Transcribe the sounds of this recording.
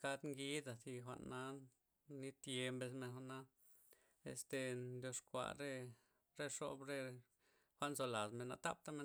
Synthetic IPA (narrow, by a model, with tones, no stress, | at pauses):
ka˧d̪ŋɡi˦d̪a˨si˧xʷa̰˧ʔnːa˧˦ | ni˦t̪je˧mbe˧sme˧nxʷa˧ʔna˧˦ | ḛ˨st̪e˧nd̪jo˧ʂkʷa̰˧˨ɾe˦˧ | ɾe˧ʂo̰˧bɾe˧ | xʷa˧ʔnzo˧la˨d̪me˨na̰˧t̪a̰˦p̚t̪a˧me˧